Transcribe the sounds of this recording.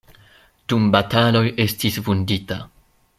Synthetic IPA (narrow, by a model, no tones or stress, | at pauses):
d̥umbatalo̞je̞stisvundita